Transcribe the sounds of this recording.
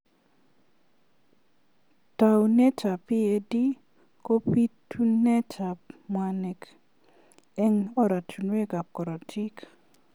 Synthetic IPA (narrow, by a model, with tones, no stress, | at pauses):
ta˨wne˦t͡ʃa˨pi˦e˨di˦ | ko˦pi˦tʰu˦nɛ˦ta˨pmwa˨nɛ˨k | ɛ˦ŋɔ˦ɾa˨tʰu˨nwe˦ɡa˨p̚kɔ˨ɾɔ˨tʰi˦k